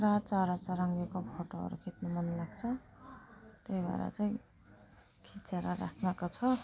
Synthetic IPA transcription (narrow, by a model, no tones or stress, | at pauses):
ɾat͡saɾat͡saɾʌŋɡekopʰoʈoɦʌ̰ɾṵkʰit̪̚nomʌnlaɡt͡sʰʌ | t̪ejba̰ɾʌ̰t͡saĩ | kʰit͡seɾʌɾa̰kʰmakot͡sʰʌ